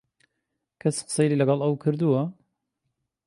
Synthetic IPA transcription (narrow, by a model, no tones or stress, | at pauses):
kʰɐsqsejlilɐɡɑlˠɐwkʰɨɾd̪uwɐ